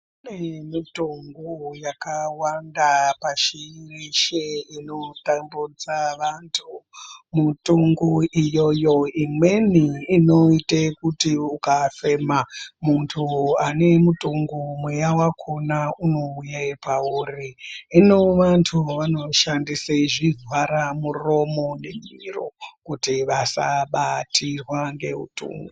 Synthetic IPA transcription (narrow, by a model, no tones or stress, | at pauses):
unemitoŋɡujakawandapaʃiiriʃeino̞tambud͡zaʋantʰumutoŋɡuʔijojo̞imwe̞niːno̞itekutiukafe̞mamuntʰuane̞mutuŋɡumwejawakʰonauno̞ujapauriːnoʋantʰuʋano̞ʃandiseʐivwaɾamuro̞mo̞ne̞miro̰kutiʋasaɓatʰirwaŋɡe̞ɦṵtṵːŋɡu